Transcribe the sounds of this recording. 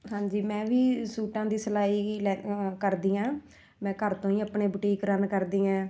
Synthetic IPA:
ɦãːd͡ʒiːmɛ̃ːʋiːsuːʈãːd̪iːsəlaːiːlɛːkəɾd̪iːãː | mɛ̃ːkəɾt̪õːĩːəpɳeːbəʈiːkɾənkəɾd̪iːãː

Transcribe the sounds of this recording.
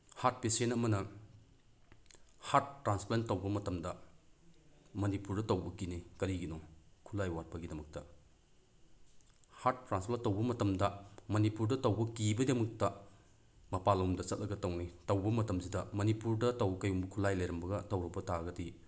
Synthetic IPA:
hat̚pesenɐmɐnɐ | hat̚ːɾansplan̚tːɐwbɐmɐtɐmdɐ | mɐnipuɾdɐtɐwbɐkinikɐɾiɡinɔkʰulajwat̚pɐɡidɐmɐk̚tɐ | haɾt̚ːɾansplantːɐwbɐmɐtɐmdɐmɐnipuɾdɐtɐwbɐkibɐdɐmɐk̚tɐ | mɐpalumdɐsɐt̚lɐɡɐtɐwnitɐwbɐmɐtɐmzidɐmɐnipuɾdɐtɐwɐkɐjumbɐkʰulajlɐjɾɐmbɐɡɐtɐwɾɐbɐtaɡɐdi

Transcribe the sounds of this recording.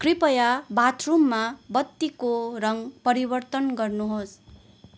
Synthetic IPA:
kripʌjabat̪ʰrumːabʌt̪ːikorʌŋpʌɾibʌrt̪ʌnɡʌrnuɦos

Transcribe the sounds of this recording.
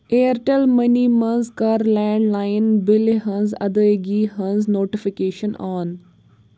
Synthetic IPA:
eːɾʈelmɐniːmɐnzkaːɾlɛ̃ːɳɖlaːɪnbɪleɦɐ̃nzɐ̰d̪əɡiːɦɐnznoːʈifikeːʃənɔːn

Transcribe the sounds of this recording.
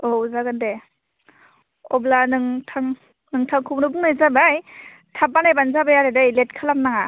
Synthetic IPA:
ɔzaɡɯnde | ɔblanɯŋtʰaŋ | nɯŋtʰaŋkʰuŋɾɯbuŋnajzabaj | tʰapːanajbanzabajaɾedajlet̚kʰalam̚naŋa

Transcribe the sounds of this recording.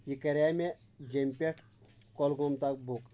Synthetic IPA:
jikɐɾʲame | d͡ʒempʲeʈʰ | kɔlɡomt̪ak̚buk

